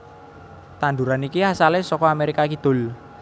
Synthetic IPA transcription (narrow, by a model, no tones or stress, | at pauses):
t̪and̪uɾanikihasalesɔkɔameɾikakid̪̥ʊ̤l